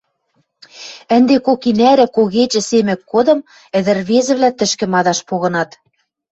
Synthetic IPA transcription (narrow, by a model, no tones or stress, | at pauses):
ɘ̆nd̪ekokinæɾɘ̆koɣet͡ɕɘ̆semɘ̆kːod̪ɤ̆m | ɘ̆ðɘ̆rβezɘ̆βlʲæt̪ɘ̆ʃkɘ̆mɑd̪ɑʃpoɣɤ̆nɑt̪